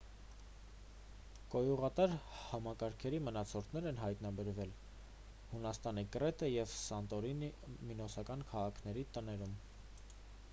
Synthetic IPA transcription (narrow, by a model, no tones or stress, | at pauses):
kɔjuʁɑt̪ɑɾhɑmɑkɑɾkʰɛɾimənɑt͡sʰɔɾt̪ʰnɛɾɛnɦɑjt̪nɑbɛɾvɛl | hunɑst̪ɑnikɾɛt̪əjɛvsɑnt̪ɔɾin | minɔsɑkɑnkʰɑʁɑkʰn̪ɛɾit̪ənɛɾum